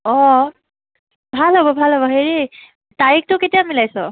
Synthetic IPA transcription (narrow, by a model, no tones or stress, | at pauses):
ɔ | bʱalɦobɔbʱalɦobɔɦeɹi | taik̚tʊketijamilajsʊ